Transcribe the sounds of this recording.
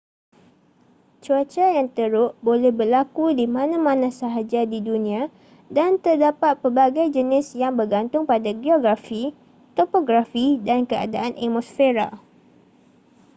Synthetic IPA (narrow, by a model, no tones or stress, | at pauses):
t͡ʃuat͡ʃajaŋt̪əɾʊʔbolɛhbərlakudimãnãmãnãsaɦad͡ʒadidunĩã | dant̪ərdapat̪̚pəbaɡajd͡ʒənɪsjaŋbərɡant̪ʊŋpadaɡioɡɾafi | t̪ɔpoɡɾafidankəa̰daʔanʔemɔsfeɾa